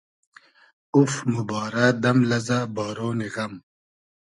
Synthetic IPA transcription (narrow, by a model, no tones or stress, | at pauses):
ufmubɑːɾad̪ɐmlɐzabɑːɾoːniɣɐm